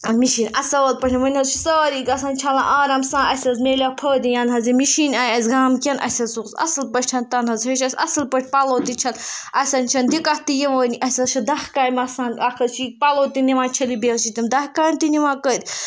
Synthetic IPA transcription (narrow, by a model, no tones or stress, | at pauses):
ɐmiʃiːnʲɐsɐəːl̚pəʈʲimɐnʲɦɐzt͡ʃʰisəːɾikɐsaːnʲt͡ʃʰɐlã̰ʔaːɾɐmsãːɐsʲɐzmeːlʲapʰəːd̪ijanɦɐzimiʃiːnʲajazʲɡaːmkʲɐnʔɐ̰sʲɐsukzɐ̰sɨlpəʈʰʲt͡ʃʰɐnt̪ɐnɦɐzeʃɐsʲɐ̰sɨlpəʈ̚ʰʲpɐloːt̪it͡ʃʰɐnɐsʲɐnt͡ʃʰɐnd̪ikaht̪ijeʋəːniʔɐsʲɐzt͡ʃʰɐd̪ɐhkaːjmɐsãːnakʰɐzt͡ʃʰik̚paloːt̪iniʋãːnt͡ʃʰɐlibeːlʃʰit̪imd̪ɐhkaːjnt̪iniʋaːkəd̪ʲ